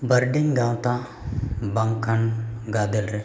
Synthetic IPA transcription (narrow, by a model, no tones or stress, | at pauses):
bɐɾɖiŋɡãːwt̪a | bɐŋkʰanɡaːd̪elɾɛ